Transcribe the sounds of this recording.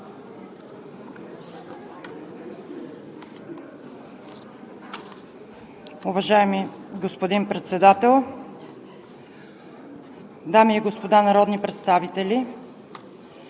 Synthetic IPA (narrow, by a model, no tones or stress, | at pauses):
ʊvɐʒaɛmiɡospod̪inpɾɛt̪sɛd̪at̪ɛlˠ | d̪amiːɡospod̪anɐɾɔd̪nipɾɛt̪st̪avit̪ɛli